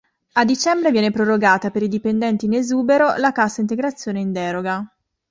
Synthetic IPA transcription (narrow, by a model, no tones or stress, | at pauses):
ad̪it͡ʃɛmbɾevjɛːnepɾoroɡaːt̪apeɾid̪ipend̪ɛnt̪iːnezuːbeɾolakasːaint̪eɡɾat̪sːjoːneind̪ɛːɾoɡa